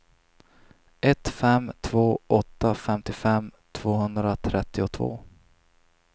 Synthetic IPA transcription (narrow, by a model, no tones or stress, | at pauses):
ɛt̪fɛmt̪ʰvoːʔɔt̪ːafɛmt̪ɪfɛmːt̪ʰv̥oːhɵnd̪ɾat̪ʰɾɛt̪ːɪʊt̪ʰvo̰ː